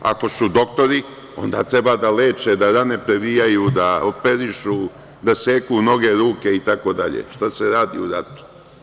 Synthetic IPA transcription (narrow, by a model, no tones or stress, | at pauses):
a̰ko̞sud̪o̞k̚t̪o̞ɾi | o̞̰nd̪aːt̪ɾe̞baːd̪aleːt͡ʃed̪aɾane̞pɾe̞ʋijajud̪aopeɾiʃu | d̪aseːkuno̞ɡe̞ɾuːkʲe̞it̪ako̞d̪aʎḛʃt̪aseɾaːd̪ḭuɾat̪u̥